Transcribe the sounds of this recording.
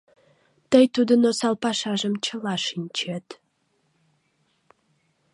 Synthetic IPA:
t̪əjt̪ud̪ənosɑlˠpɑʃɑʒəmt͡ɕʰə̆lɑʃinʲt͡ɕet̪

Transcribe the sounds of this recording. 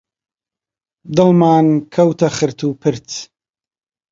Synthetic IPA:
d̪ɨlmaːnkʰɐwt̪ʰɐχɨɾt̪ʰuːpʰɨɾt͡s

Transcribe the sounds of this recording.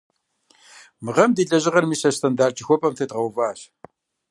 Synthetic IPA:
mɨʁɐmdiːɮɐʑɪʁɐrmiːsɐstʰɐndaːrt͡ʃʰʼixʷɔpʼɐmθʰɐtʁɐwvaːɕ

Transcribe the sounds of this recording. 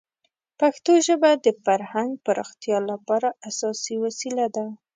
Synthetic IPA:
paxt̪oʒəbad̪əfaɾhaŋɡ̚pəɾɑxt̪jɑlapɑɾaʔasɑsiwasilad̪a

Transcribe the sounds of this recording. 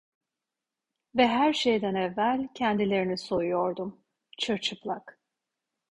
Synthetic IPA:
vɛɦæɾʃejd̪ænɛvːælʲcʰɛnd̪ilʲe̞ɾiniso̞jujoɾd̪um | t͡ʃʰɯɾt͡ʃʰɯplˠak

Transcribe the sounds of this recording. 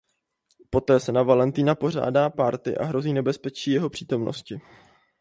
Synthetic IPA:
po̞t̪ɛːsɛnavalɛnt̪iːnapo̞r̝a̰ːdaːpaɾt̪ɪ̰ʔa̰ɦɾo̞ziːnɛbɛspɛt͡ʃiːjɛɦo̞pr̥iːt̪o̞mno̰scɪ

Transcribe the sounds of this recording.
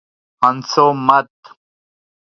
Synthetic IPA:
hɐnsomɐt̪̚

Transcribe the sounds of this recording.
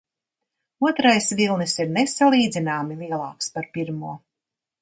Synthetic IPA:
uɔt̪ɾajsvilˠnɨsiɾnesalˠiːd̪zinaːmilˠiɛlˠɑ̰ːkspaɾpiɾmuɔ

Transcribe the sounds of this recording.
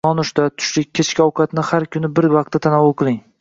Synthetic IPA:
ɒnʊʃt̪at̪ʰʊ̥ʃlɪk̚ʲkʲʰːet͡ʃkʲɒwqʰɑt̪nɪhaɾkʲʰʊnɪbɪɾvɑq̚t̪ːat̪ʰanɒwʊlˠqʰɨlˠɪŋ

